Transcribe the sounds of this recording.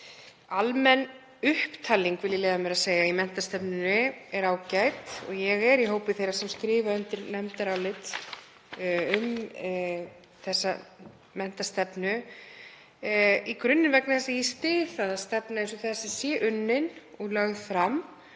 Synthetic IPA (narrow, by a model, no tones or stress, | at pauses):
almɛn | ʏhpt̪ʰaːlːiŋkvɪlɪleːðamɪɾaðseːjaimɛn̥t̪ast̪ɛpnʏnɪɛɾaːwcajt̪ɔ̰ɣjɛɣɛɾiɦoːwpɪθejɾḁsɛmskɾɪːvaʏnt̪ɪɾnɛmt̪aɾawlɪt̪ | ʏm | θɛsːa̰ | mɛn̥t̪ast̪ɛpnʏ | ikɾʏnːɪnvɛknaθɛsːajɛst̪ɪːθaðast̪ɛpnaensɔθɛsɛsjɛʔʏnːɪnɔɣlœɣfɾam